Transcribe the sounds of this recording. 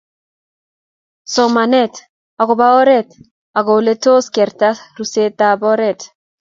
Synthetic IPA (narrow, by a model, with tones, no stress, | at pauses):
sɔ˨ma˨nɛ˦t | a˨ko˨ba˦ɔ˦ɾɛ˦t | a˨ɡo˨le˦to˦skɛ˨ɾta˦ru˨se˦tabɔ˦ɾɛ˨t